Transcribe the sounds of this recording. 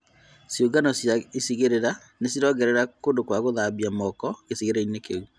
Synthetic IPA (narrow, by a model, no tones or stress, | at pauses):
sjoɡanɔsjaisiɣeɾeɾa | nesiɾɔɡɛɾɛɾakondokwaɣoðaβiamɔkɔɣesiɣeɾeinekeu